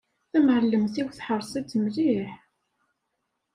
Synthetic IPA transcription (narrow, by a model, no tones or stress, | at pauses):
θæmʕəlːəmθiwθħəɾˤsˤit͡s̪ːəmliħ